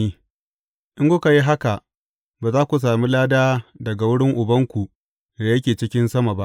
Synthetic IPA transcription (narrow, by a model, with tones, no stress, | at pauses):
i˦ | ʔɪ˦ŋkʊ˦ka˨ji˦ɦa˦ka˨ʔ | baː˨zaː˦kʷu˨s̬aː˨mi˦laː˦daː˦dɐ˨ɡa˨wʊ˦ɽɪ˦ŋʔʊ˨bɐ˦ŋkʷu˨ʔ | da˨jɐ˦kʲeː˨t͡ʃɪ˦kʲɪ˦nsɐ˦ma˨ba˦ʔ